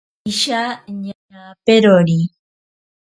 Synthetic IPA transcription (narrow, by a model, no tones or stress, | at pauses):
iʃaɲaɲapeɾoɾi